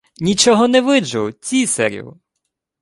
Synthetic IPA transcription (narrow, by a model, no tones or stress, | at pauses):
nʲit͡ʃɔɦɔnɛʋɪd͡ʒuwt͡sʲisɛɾʲḭṵ